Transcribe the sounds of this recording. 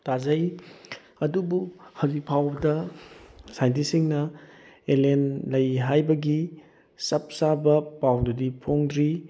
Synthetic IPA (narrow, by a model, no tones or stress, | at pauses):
tazɐj | ɐdubuhawzikpʰawbɐdɐ | sajnt̬isiŋnɐ | elenlɐjɦajbɐɡi | sɐp̚sabɐpawdudipʰoŋdɾi